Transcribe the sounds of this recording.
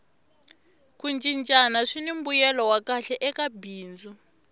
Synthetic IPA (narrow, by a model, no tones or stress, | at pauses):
kund͡ʒʼint͡ʃʼanaʂinim̩bujɛlɔwakaɬɛʔɛkabiːnd͡zu